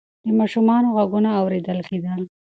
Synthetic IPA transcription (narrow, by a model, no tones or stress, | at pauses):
d̪əmɑʃumɑnoɣaɡunaːwɾed̪əlked̪əl